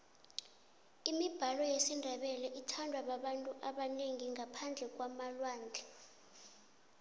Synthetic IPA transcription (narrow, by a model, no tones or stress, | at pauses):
imib̥ʱalɔjesindʱaɓɛlɛʔitʰandʱwaɓaɓantʼuʔaɓaneŋiŋapʰand͡ɮʱɛk̬wamalwaːnd͡ɮʱɛ